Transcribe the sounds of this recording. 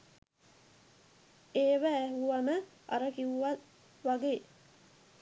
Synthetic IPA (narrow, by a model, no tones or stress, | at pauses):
eːʋæːɦuʋɐməʔɐ̰ɾəkiʋuʋat̪ | ʋaɡeː